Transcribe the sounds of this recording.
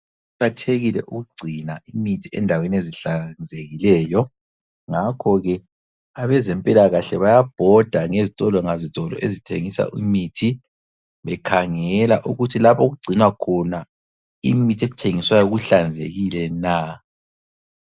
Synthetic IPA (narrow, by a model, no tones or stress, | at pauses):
ukatʰeɣilɛ̰ʔuɣuɡ͡ǀʱinaʔimitʰiɛ̰ndʱaweneziɬand͡zʱeɣilɛːjɔ | ŋakʰɔɣɛ | aβɛzɛmpʼilaɣaɬɛβajab̥ʱɔd̥ʱaŋezitʼɔlɔŋazitʼɔlɔ̰ʔezitʰḛŋisa̰ʔimitʰi | βɛkʰaŋɛlaʔuɣutʰilapʰoɣuɡ͡ǀʱinwakʰɔna | imitʰiɛt͡ʃʰeŋiswajɔɣuɬand͡zʱḛɣilɛna